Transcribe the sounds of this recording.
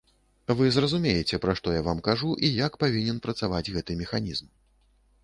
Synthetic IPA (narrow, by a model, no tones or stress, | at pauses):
vɨzrɐzumʲejɛt͡sʲɛpɾaʂt̪ɔjavamkaʐuʔijakpavʲinʲɛnpɾɐt̪savad͡zʲɣɛt̪ɨmʲɛxanʲizm